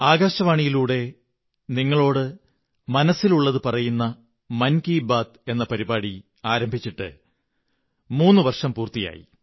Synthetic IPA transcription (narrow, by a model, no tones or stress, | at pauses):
aːɡaːɕɐʋaːɳijiluːɽe̞ | niŋːɐɭo̞ːɽɨ | mɐnɐsiluɭːɐðɨpɐrɐjunːɐ | mɐnkiːbaːt̪e̞nːɐpɐɾibaːɽi | aːɾɐmbʱit͡ɕːiʈːɨ̰ | muːnːɨʋɐrʂɐmpuːrt̪ija̰ːjḭ